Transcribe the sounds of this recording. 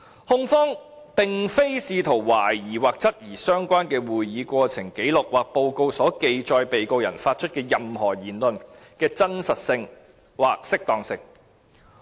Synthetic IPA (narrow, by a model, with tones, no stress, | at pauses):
hʊ˥ŋfɔː˥ŋ | t̪ɪ˨ŋfe˥jsiː˧t̪ʰo˨˩wwaː˨˩jjiː˨˩waː˨k̚t͡sɐ˥t̚jiː˨˩sœː˥ŋkʷaː˥nkɛː˧wuː˨˩jjiː˨˧kʷɔː˧t͡sʰɪ˨˩ŋke˨˥jlʊ˨k̚waː˨k̚po˧wko˧wsɔː˨˥ke˨jt͡ʃɔː˨jpe˨jko˧wjɐ˨˩nfaː˧t̚t͡ʃʰɵ˥t̚kɛː˧jɐ˨mhɔː˨˩jiː˨˩nlɵ˨nkɛː˧t͡sɐ˥nsɐ˨t̚sɪ˧ŋ | waː˨k̚sɪ˥k̚t̪ɔː˨ŋsɪ˧ŋ